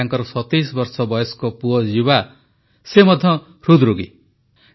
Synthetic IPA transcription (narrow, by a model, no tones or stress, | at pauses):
aŋkʌɾsʌt̪ːisbʌrsʌbʌjeskopuʌd͡ziwa | semʌd̪ʱʌ̃ | rud̪ruɡḭ